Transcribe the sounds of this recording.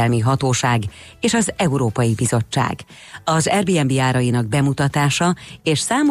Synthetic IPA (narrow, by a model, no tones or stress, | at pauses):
ɛlmiɦɒt̪oːʃaːɡ | eːʃɒzɛuɾoːpɒjibizo̞t͡ʃːa̰ːɡ | ɒzɛrbiɛmbiaːɾɒjinɒɡ̚bɛmut̪ɒt̪aːʃɒeːʃsaːmo